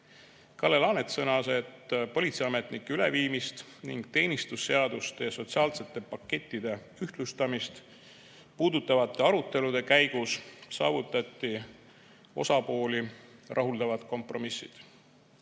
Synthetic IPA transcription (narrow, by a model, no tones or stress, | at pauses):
kɑlːe̞lɑːnet̪sɤnɑse̞t̪ːpo̞lʲit̪siɑme̞t̪nikːeyle̞viːmist̪niŋɡ̥̚t̪e̞ːnist̪usːe̞ɑd̪̥ust̪eɑso̞t̪siɑːlse̞t̪ːˑe̞pɑkːe̞t̪ʲːˑid̪e̞ | yht̪lust̪ɑmist̪ | puːd̪ut̪ːˑɑvɑt̪ːˑe̞ɑɾut̪ːˑe̞lud̪̥e̞kæjɡ̥ussɑ̰ːvut̪ːˑɑt̪ʲːi | o̞̰sɑpo̞ːlʲirʔɑɦuld̪ɑvɑt̪ko̞mpro̞misːid̪̥